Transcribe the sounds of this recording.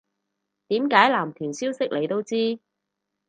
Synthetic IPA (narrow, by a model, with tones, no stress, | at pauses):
t̪iː˨˥mkaː˨˥jlaː˨˩mt̪ʰyː˨˩nsiː˥wsɪ˥k̚le˨˧jt̪o˥wt͡siː˥